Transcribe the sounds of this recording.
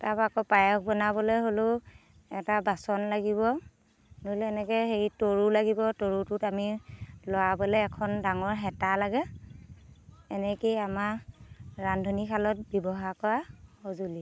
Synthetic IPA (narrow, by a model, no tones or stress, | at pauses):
tabakɔpajɔkbɔnabɔlojɦolʊ | ɛtabasɔnlaɡiβɔ | nolɛnɛkɛjxejtoɹulaɡibɔtoɹutʊtamilɔwabɔlɛːkʰɔndaŋɔɹɦɛtalaɡɛ | ɛnɛkejamaɹɹandʱonikʰalɔt̚bɔbɔɦakɔɹahozuli